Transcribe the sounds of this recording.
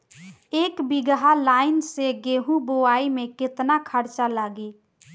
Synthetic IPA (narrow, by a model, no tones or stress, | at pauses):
ekbiɡɦalaɪnseɡeɦũboaimekɪt̪nakʰəɾt͡ʃalaɡe